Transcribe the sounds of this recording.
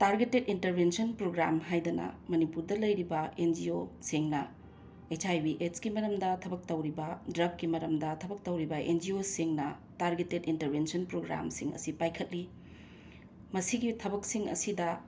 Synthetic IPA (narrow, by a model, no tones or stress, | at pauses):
taɾɡetetintɐɾbensɐnpɾoɡɾamɦajdɐnɐ̰mɐnipuɾdɐlɐjɾibɐend͡ʒiosiŋnɐ | et͡ʃajbiʔet͡ʃɡimɐɾɐmdɐtʰɐbɐk̚tɐwɾibɐdɾɐp̚kimɐɾɐmdɐtʰɐbɐk̚tɐwɾibɐʔḛnd͡ʒiosiŋnɐtaɾɡetetintɐɾbensɐnpɾoɡɾa̰msiŋɐ̰sipajkʰɐt̚li | mɐsiɡitʰɐbɐksiŋɐ̰sidɐ